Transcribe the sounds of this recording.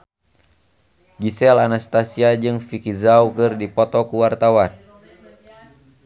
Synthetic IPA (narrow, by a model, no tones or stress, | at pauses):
ɡisɛlanast̪asiad͡ʒɨŋfikizaukɨrdipɔt̪ɔkuwart̪awan